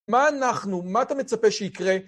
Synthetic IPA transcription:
maːnaχnumaːt̪ame̞t͡sape̞ʃeikʁe̞

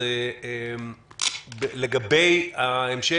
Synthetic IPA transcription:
eem | beleɡabejaemʃe

